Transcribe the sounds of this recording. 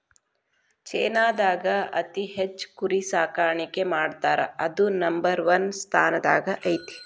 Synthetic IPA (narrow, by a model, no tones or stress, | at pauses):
t͡ʃeːnaːd̪aːɡɐɐt̪iɦet͡ʃːkuɾisaːkaːɾɐɳikemaːɖt̪aːɾɐ̰ɐd̪unɐmbɐɾʋɐnst̪ʰaːnɐd̪a̰ːɡɐʔɐjt̪i̥